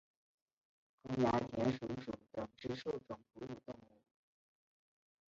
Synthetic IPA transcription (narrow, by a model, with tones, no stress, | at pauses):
kʊ˥ŋja˧˥t̪ʰjɛ˧˥nʂu˧˥ʂu˨˩t̪ɤ˨˩ŋʈ͡ʂɻ̩˥˧ʂu˥˩ʊʈ͡ʂʊ˨˩ŋpu˧˥u˨˩t̪ʊ˥˧ŋu˥˩